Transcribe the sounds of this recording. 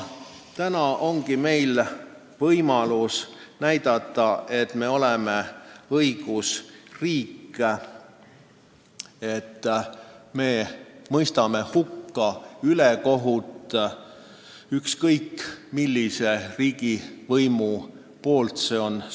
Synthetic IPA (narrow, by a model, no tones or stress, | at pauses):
t̪ænɑʔo̞ŋɡime̞jl | vɤjmɑlusnæjd̪̥ɑt̪ːˑɑe̞t̪me̞o̞leme̞ɤjɡ̥usriːkː | et̪ː | me̞ːmɤjst̪ɑme̞hukːɑyleko̞ɦut̪ˑ | ykskɤjkːmilːise̞riːɡivɤjmu | po̞ːlt̪se̞ːo̞n